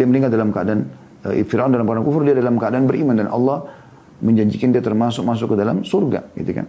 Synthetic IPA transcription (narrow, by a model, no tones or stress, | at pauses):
iaməniŋat̪̚dalamkaadan̰ | fiɾaʔundalampkadankufʊrdiadalamkəadaanbərimandanʔɑ̰lːɑh | məɲd͡ʒaɲd͡ʒikandiat̪ərmasʊk̚mas̬ʊkːədala̰msurɡa̰ɡḭt̪uka̰n